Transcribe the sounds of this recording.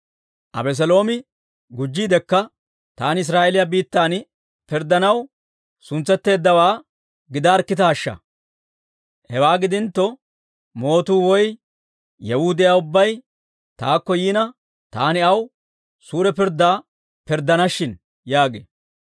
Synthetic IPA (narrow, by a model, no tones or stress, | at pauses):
ʔɐ̰bɛs̬ɛlo̞ːmɪ | ɡʊd͡ʒːiːd̪ɛkːɐ | t̪aːnɪs̬ɾaːʔɛlɪjɐbiːt̪ːaːn | pɪɾd̪ːɐnɐw | sʊnt͡sːɛt̪ːe̞ːd̪ːɐwaː | ɡɪd̪aːɾkːɪt̪ɐːʃːɐ̰ | hɛwaːɡɪd̪ɪnt̪ːɔ | mo̞ːt̪uːwɔj | jɛhʊd̪ɪjaːʊbːɐj | t̪aːkːɔjiːnɐ | t̪aːnɪɐw | suːɾɛpɪɾd̪aː | pɪɾd̪ːɐnɐʃːɪn | jaːɡḛː